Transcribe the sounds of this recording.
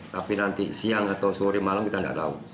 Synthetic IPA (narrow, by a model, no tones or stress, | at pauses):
t̪apinant̪ḭsiaŋat̪ausuɾimalamkit̪anda̰ʔd̪aṵ